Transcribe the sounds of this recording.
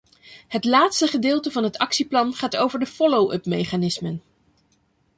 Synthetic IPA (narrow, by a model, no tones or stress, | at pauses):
ɦətlaːtstəχədɪːlˠtəvɑnɦətɑksiplɑnχaːtowvəɹdəfɔlowʔɵ̰pmejχaːnɪsmən